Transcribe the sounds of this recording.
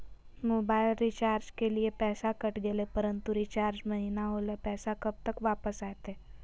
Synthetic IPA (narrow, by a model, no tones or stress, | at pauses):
moːbaːɪlɾit͡ʃaːɾd͡ʒkeliepɛːsakəʈd̪elepəɾə̃nt̪uɾit͡ʃaːɾd͡ʒmɐɦinaɦoːlepɛːsakɐb̚t̪əkʋaːpəsaːet̪eː